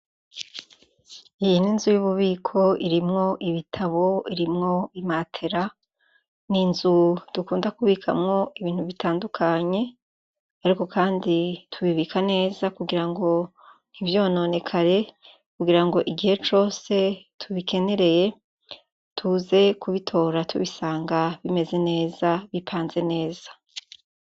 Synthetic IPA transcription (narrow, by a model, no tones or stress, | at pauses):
ijininzujuβuβiːkʰo̞iɾimŋo̞ʔiβitʰaβo̞iɾimŋo̞imaːtʰe̞ɾa | ninzud̥ukuːndakuβiːkʰa̰mŋo̞iβiːn̥huβitʰaːndukʰaɲe̞ | aɾiko̞kʰaːnditʰuβiβikʰane̞ːzakuɡiɾaŋɡo̞ | n̥ivjo̞ːno̞ne̞kʰaɾe̞ | kuɡiɾaŋɡo̞ʔiɡihe̞t͡ʃo̞ːse̞tʰuβike̞ne̞ɾe̞je | tʰuze̞kuβitʰo̞ːɾatʰṵβisaːŋɡaβime̞ze̞ne̞ːzaβipʰaːnze̞ne̞ːz̥ḁ